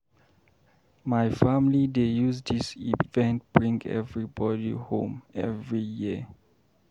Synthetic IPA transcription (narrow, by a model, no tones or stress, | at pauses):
majfamlidejuzdisivɛ̃nt̚b̥ɹĩŋɛ̰vɹibɔdḭhõ̰mɛvɹiji